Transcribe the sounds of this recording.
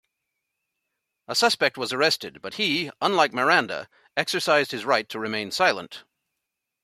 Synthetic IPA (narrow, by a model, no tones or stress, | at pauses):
əsʌspɛk̚t̚wʌzə˞ɛstɨd̚bʌt̚hiə̃nlaɪk̚mə˞æ̃ndə̰ | ɛksə˞saɪzd̚hɨzɹaɪtʰɨɹɨmẽɪ̃nsaɪlˠə̰̃nt